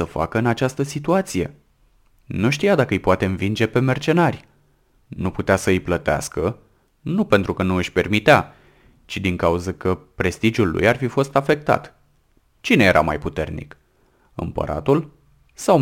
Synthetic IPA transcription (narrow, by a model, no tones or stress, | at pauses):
səfa̰kəɨnat͡ʃast̪əsit̪uat̪sije̞ | nuʃt̪ijad̪akəɨjpoat̪e̞ɨnvind͡ʒe̞pe̞me̞rt͡ʃe̞narʲj | nuput̪easəɨjplət̪ea̰skə | nupe̞nt̪ɾukənuɨʃʲpe̞rmit̪ea | t͡ʃid̪iŋkauzəkəpɾe̞st̪id͡ʒulːṵjarfifo̞st̪afe̞k̚t̪a̰t̪ | t͡ʃine̞je̞ɾa̰ma̰jput̪e̞rnḭk | ɨ̰mpə̰ɾa̰t̪ul | saw